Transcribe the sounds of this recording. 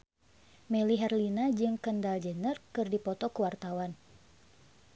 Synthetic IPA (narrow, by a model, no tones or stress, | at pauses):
mɛliɦɛrlinad͡ʒɨŋkəndald͡ʒənərkɨrdipɔt̪ɔkəwart̪awan